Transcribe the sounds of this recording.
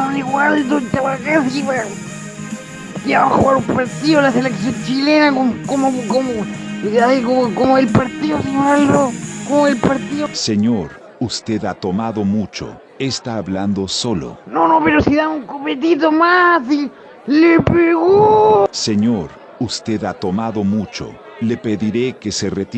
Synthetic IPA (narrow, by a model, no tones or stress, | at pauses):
aniɣwald̪ot̪awakesiβa | kiaβaxuɣaɾumpaɾt̪iðolaseleksjont͡ʃilenakomkomokomoaikokomoelpaɾt̪iðosiβald̪okomoelpaɾt̪iðoseɲoɾ | ust̪eðat̪o̞maðo̞mut͡ʃo̞̰ | est̪aːβland̪o̞so̞lo̰nonopeɾosiðauŋkopet̪̬it̪̬omasi | lepeɣuse̞ɲoɾ | ust̪e̞ðat̪o̞maðo̞mut͡ʃo̞̰ | le̞pe̞ðiɾekese̞ret̪